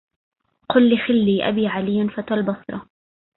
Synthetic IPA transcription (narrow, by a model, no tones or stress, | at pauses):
qʊlːixɪlːiːʔa̰biːʕalɪjːanfat̪albɑsˤɾˤɑ